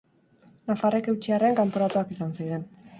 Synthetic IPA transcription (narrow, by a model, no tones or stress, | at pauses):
nafare̞ke̞wt͡ʃiare̞ŋkampoɾat̪uakisansajðe̞n